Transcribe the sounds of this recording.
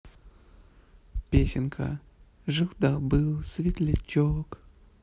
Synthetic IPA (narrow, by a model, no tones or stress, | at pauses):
pʲesʲɪnkʰə̰ | ʐɨlˠd̪abɨlˠsvʲɪt̪ʲlʲɪt͡ɕːok